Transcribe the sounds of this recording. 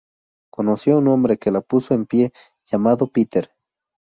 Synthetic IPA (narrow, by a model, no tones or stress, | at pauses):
konosjounombɾekelapusoempje | ʝamaðopit̪eɾ